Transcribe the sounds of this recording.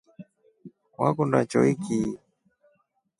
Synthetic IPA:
wa̰kundat͡ʃɔiki

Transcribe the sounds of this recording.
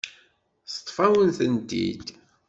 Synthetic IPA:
st̪ˤːfæwənθənd̪ḭd̪

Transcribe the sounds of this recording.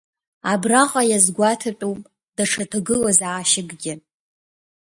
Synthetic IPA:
abraqʼajazɡʷatʰapʷʼupʼ | d̥aʈ͡ʂʰatʰaɡɨlazaːʃɪɡɡʲɪ

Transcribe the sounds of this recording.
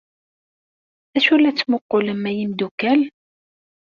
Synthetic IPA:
æʃulːæt͡sːmʊqːʊləmːæjimd̪ukæl

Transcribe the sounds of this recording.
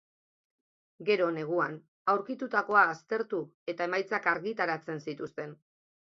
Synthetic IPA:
ɡe̞ɾo̞ne̞ɣ̞uan | awɾkit̪ut̪ako̞aːst̪e̞ɾt̪ue̞t̪ae̞majt͡sakaɾɣit̪aɾat͡se̞nsit̪ust̪e̞n

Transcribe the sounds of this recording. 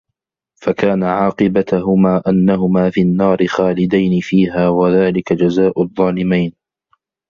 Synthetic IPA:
fakaːnaʕɑːqɨbat̪ɦʊmaːʔanːaɦʊmaːfiːanːɑːɾɪxaːlɪd̪ajnɪfiːɦaːwaðaːlɪkad͡ʒazaːʔʊðˤːɑːlɪmajn

